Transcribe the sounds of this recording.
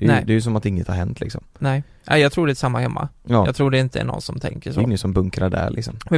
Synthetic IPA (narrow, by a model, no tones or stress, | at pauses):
d̥̪ɛjd̪ɛjʉsɔmat̪ɪŋːət̪haɾhɛnt̪ʰlɪksɔmnɛː | ʔæ̰jɑːɡ̚t̪ʰɾuːɖɛsamːahɛmːa̰ɑːɑːɡt̪ʰɾuːɖɛɪnt̪əæ̰nɔ̰nsɔmt̪ʰɛ̰ŋkəʂoɪŋːət̪sɔmbɵŋkɾaɖæ̰ɾlɪ̰ksɔmmɛ